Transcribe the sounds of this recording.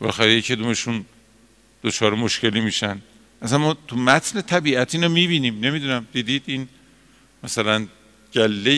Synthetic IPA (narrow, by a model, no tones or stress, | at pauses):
belɒxæɾejecʰed̪umeʃun | d̪̥ot͡ʃʰɒːɾemoʃce̞liːmiːʃænd̪ | ʔæsænmɒːt̪ʰumæt̪ʰne̞t̪ʰæbiːʔæt̪ʰiːnomiːbiːniːmne̞mid̪unæmd̪iːd̪iːd̪iːn | mæsælæn | d͡ʒælːe